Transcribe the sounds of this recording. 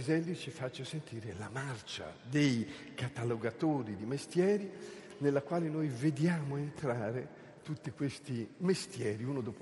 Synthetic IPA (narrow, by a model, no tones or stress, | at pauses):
zɛlːit͡ʃifat͡ʃːosent̪iːɾelamart͡ʃa̰d̪ej | kat̪aloɡat̪oːɾid̪imest̪jɛːɾi | nelːakwaːlenojved̪jaːmoent̪ɾaːɾe | t̪ut̪ːikwest̪imest̪jɛːɾiuːnod̪ɔːp